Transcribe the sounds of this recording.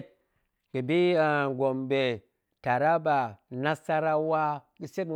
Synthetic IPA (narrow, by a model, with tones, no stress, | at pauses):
t̚ | ɡ̥i˨bi˦a˨ɡo˨mbe˨ | ta˨ɾa˦ba˨na˦sa˦ɾa˦wa˦ | ɡi˦se˦u˨